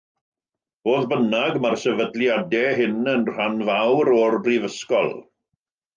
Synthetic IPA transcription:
b̥oːðbənaɡmarsɛvədljadɛɦɪnənr̥anvawɾɔrbrivəskɔ̰lˠ

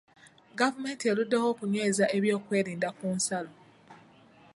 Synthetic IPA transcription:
ɡavume̞ːntie̞ludːeho̞ːkuɲweːzaʔe̞βjo̞ːkwe̞ːɾiːndakuːnsalo

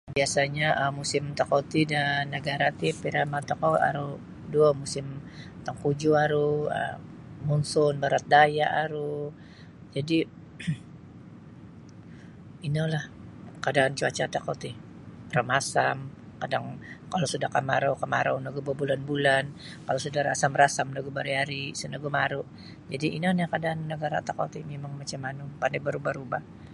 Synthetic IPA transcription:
biasaɲaʔəmusɪmt̪akot̪idanːəɡaɾat̪ipiɾamat̪okoa̰ɾu | duomusɪmt̪aŋkud͡ʒuaɾuə̰ | munsʊnbaɾat̪̚dajaʔaɾu | d͡ʒadi | inalahkadaːnt͡ʃuat͡ʃat̪akat̪i | ramasam | kadaŋkalosudahkamaɾawkamaɾawnaɡubabulanbulan | kalosudaɾa̰samrasamnaɡubaɾiaɾisənaɡumaɾʊʔ | d͡ʒadiinanakadaʔːnːəɡaɾa̰t̪aka̰t̪imemaŋmat͡ʃamanupandabaɾubaɾubah

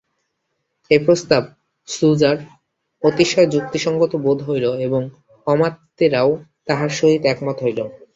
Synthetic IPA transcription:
epɾost̪ab̚ | sud͡ʑaɾ | ot̪iʃɔed͡ʑuk̚t̪iʃɔŋɡot̪obod̪ʱɦojloeboŋ | kɔmat̪ːeɾaot̪aɦaɾʃoɦit̪ɛkmɔt̪ɦojlo

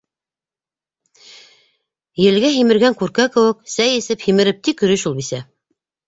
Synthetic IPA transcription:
jɘ̆lɡæɦimɘ̆ɾɡæŋkʉɾkækɘ̆wɘ̆ksæjɘ̆sɘphimɘ̆ɾɘp̚t̪ikɵ̆ɾɵʃulˠbisæ

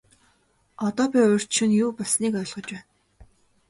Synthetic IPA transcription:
ɔt̪ɔːpʲiʊr̥t͡ɕʃɪ̆njuːpɔsniːkɔ̆ːɮʁɞ̆t͡ɕwæːn

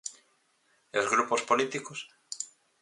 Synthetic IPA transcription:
ozɣɾupospolit̪ikos

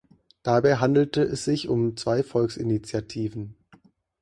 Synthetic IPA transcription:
d̥abaɪɦandl̩təɛsz̥ɪçʊmt͡sv̥aɪfɔlksɪnit͡sjatʰiːvn̩

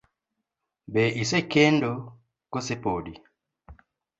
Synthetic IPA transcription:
beʔisekendo | kosepodi

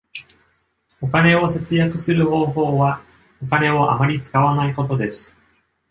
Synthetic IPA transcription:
o̞kane̞o̞se̞t͡sɨjakɯ̟sɨɾɯ̟ho̞ːɦo̞ːβa | o̞kane̞o̞ʔa̰maɾʲit͡sɨ̥kaβanaiko̞t̪̬o̞d̪e̞sɨ̥

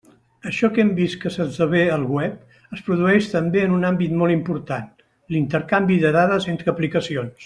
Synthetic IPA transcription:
əʃɔkɛmbist̪kəsəzəβeəlˠɣwɛp̚ | əspɾuðuɛʃt̪əmbeənunambit̪mɔlˠimpuɾt̪an | lint̪əɾkambiðəðaðəzent̪ɾəːplikəsions

